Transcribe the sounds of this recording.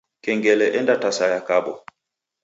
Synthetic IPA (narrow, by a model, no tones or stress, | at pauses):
kɛŋɡɛlɛʔɛndatasajakabɔ